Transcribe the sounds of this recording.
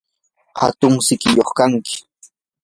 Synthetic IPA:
ha̰t̪ʊŋsɪkɪjoχkaŋkɪ̥

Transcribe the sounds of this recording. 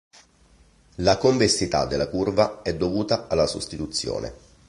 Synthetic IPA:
lakoɱvesːit̪a̰d̪ːelːakurvaɛd̪ːovuːt̪aalːasost̪it̪ut̪sːjo̰ːnʔḛ

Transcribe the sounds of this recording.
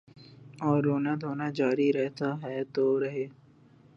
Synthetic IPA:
ɔːɾːoːnad̪ʱoːnad͡ʒaːɾiɾɛɦt̪aɦɛt̪oɾɐɦeː

